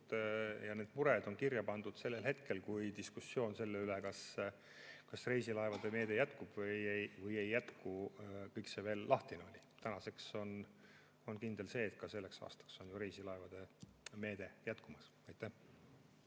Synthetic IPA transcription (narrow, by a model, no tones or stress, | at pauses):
jɑne̞ːd̪̥muɾed̪̥o̞nkirjɑpɑnd̪̥ud̪̥se̞lːelɦe̞t̪ke̞lkujt̪iskusːjo̞ːnse̞lːeylekɑs | kɑsrejsilɑevɑd̪̥eme̞ːd̪e̞jæt̪kub̥vɤjejvɤje̞jːæt̪kukɤjkseve̞ːlːɑht̪ino̞lʲit̪ænɑse̞kso̞n | o̞nkind̪̥e̞lse̞ːt̪̚kɑse̞lːe̞ksɑ̰ːst̪ɑ̥kso̞njuɾejsilɑevɑd̪̥e̞me̞ːd̪̥e̞jæt̪kumɑs | ɑjt̪ːˑæh